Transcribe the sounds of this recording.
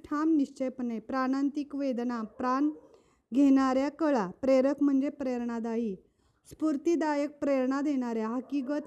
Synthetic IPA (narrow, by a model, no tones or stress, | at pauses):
ʈʰamniɕt͡ɕepnepɾaɽant̪ikʋed̪napɾan | ɡʱenaɾjakəɭapɾeɾəkʰm̤əɳd͡zepɾeɾɳad̪aɦi | spuɾt̪id̪ajək̚pɾeɾɳad̪eɽ̃aɾjaɦəkikət̪